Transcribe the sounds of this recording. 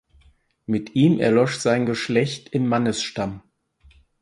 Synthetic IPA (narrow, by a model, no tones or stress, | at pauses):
mɪtʔiːmʔɛ̰ɐlɔʃz̥aɪnɡəʃlɛçtʰɪmːanəsʃtam